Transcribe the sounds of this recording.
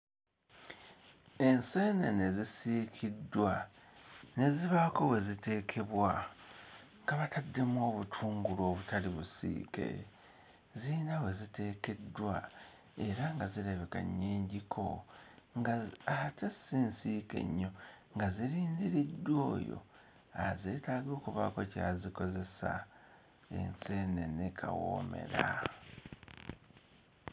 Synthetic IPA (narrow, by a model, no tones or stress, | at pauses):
e̞nse̞ːnene̞zisiːkʰidːwa | ne̞ziβako̞we̞zite̞ːkʰe̞βwa | ŋɡaβatʰadːe̞mwo̞ːβutʰuːŋɡulo̞ːβutʰaliβusḭːke̞̰ | ziːnawe̞zite̞ːke̞dːwa | e̞ɾaŋɡazileβeka̰ɲːeːɲɟikʰo̞ŋɡaatesiːnsiːke̞̰ɲːo̞ | ŋɡaziɾiːnziɾidːwo̞ːjo̞̰ | aze̞ːtaːɡo̞ːkuβako̞ca̰ːziko̞ze̞sa̰ | e̞̰nse̞ːne̞nekʰa̰wo̰ːme̞̰ɾa